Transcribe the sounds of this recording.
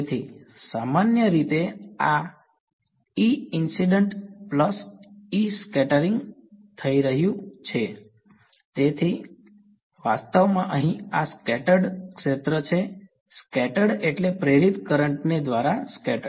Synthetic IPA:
t̪ʰisamanjəɾit̪ea | iɪnsiɖəɳʈpləsiskɛʈəɾiŋɡ | t̪ʰəiɾəɦjũt͡ʃʰe | t̪et̪ʰi | ʋast̪əʋmãʔəɦĩaskɛʈəɖkʃet̪ɾət͡ʃʰe | skɛʈəɖeʈlepɾeɾit̪kəɾəɳʈned̪ʋaɾaskɛʈə

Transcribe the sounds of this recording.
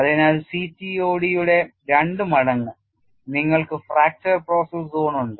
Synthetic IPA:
ɐðinɐðɨsitːio̞ːɽijuɽe̞ɾɐɳɖɨmɐɽɐŋːɐ | niŋːɐɭkɨfraːk̚t͡ʃɐrpro̞ːsɐszoːɳuɳɖɨ

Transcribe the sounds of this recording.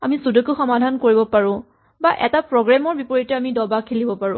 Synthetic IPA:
amisudukuxɔmadʱankoɹibɔpaɹʊ̃ | baʔɛ̰tapɹɔɡɹamɔɹbipɔɹitɛamidɔbakʰilibɔpaɹʊ̃

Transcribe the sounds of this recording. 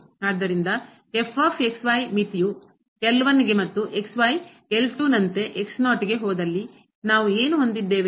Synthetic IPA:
aːd̪ːɐɾind̪ɐ | efʰaːfʰeksʋaːjmit̪iju | kɛlɐʋɐnːiɡe̞mɐt̪ːuʔeksʋaj | elʈunɐnt̪e̞ʔeksnaːʈiɡe̞ɦɔːd̪ɐlːi | naːʋueːnuɦond̪id̪ːeːʋe

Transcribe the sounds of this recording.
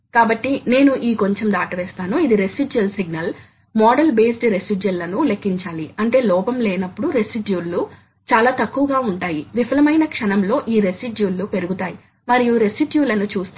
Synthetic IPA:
kaːbɐʈːine̞ːnuʔiːko̞ɲt͡ʃemd̪aːʈɐʋɛːst̪aːnuid̪iɾe̞siɖjɐlsiɡ̚nɐl | mɔːɖɐlbe̞ːsʈɾe̞siɖjɐlːɐnule̞kːiɲt͡ʃaːliɐɳʈe̞ːlɔːpɐmlɛːnɐpːuɽuɾe̞siɖjuːlːu | t͡ʃaːlaːt̪ɐkːuʋɐɡaːuɳʈaːjiʋifɐlɐmɐjnɐkʂɐnɐmlo̞ːʔiːɾe̞siɖjuːlːupe̞ɾuɡut̪aːji | mɐɾijuɾe̞siɖjuːlɐnut͡ʃuːst̪

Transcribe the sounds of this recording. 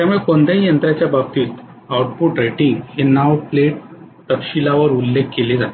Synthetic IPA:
t̪jamuɭekond̪eijənt̪ɾat͡ɕjabab̚t̪iːt̪ | auʈpuʈɾeʈiŋɡhenaʋpleʈ̚ | t̪əkɕilaʋəɾulːekːeled͡zat̪e

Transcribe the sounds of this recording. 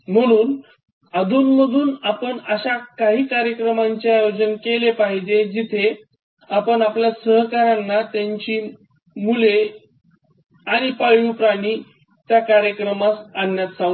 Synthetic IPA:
m̤əɽ̃uːn | ad̪ʱuːnməd̪ʱuːnapəɳəɕakaɦiːkaɾjəkɾəmaɲt͡ɕeaːjod͡ʑənkelepaɦid͡ʑed͡ʑit̪ʰe | apəɳapljasəɦkaɾanːat̪jaɲt͡ɕiː | mule | aɽ̃ipaɭupɾaɽ̃iː | t̪jakaɾjəkɾəmasanjat̪sãŋɡ

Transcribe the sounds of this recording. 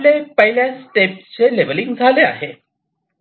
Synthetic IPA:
lepəɦiljasʈepst͡seleʋəliŋɡd͡zʱalea̰ɦe

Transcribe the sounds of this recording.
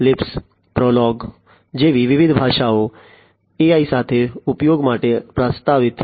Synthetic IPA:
lɪps | pɾɔlɔɡ | d͡ʒeʋiʋɪʋɪd̪ʱbʱaːʃao | eaisat̪ʰeʊpjoɡmaʈepɾəst̪aʋɪt̪

